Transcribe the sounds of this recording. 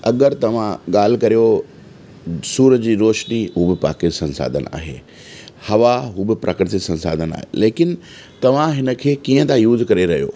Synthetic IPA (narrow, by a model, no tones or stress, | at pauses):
ɐɠəɾt̪ɐʋ̤ãɠaːl̤ɪ̆kɐɾijo | suːɾəd͡ʑiːɾoːʃniɦuːbɪpa̰ːkɪsɐ̃nsa̰ːd̪ʱəna̰ːɦḛː | hɐʋaɦuːbɪpɾʔɐkɾɪt̪isɐ̃nsa̰ːd̪ʱəna̰ːɦḛleːkɪnɪ̆ | t̪ɐʋ̤ãɦɪnə̆kʰeːkiːə̃t̪ãjuːzkɐɾeɾɐɦijo̰ː